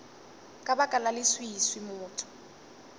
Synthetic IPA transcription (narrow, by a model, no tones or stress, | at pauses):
kʼabakʼalalɪswiswimʊːtʰʊ̥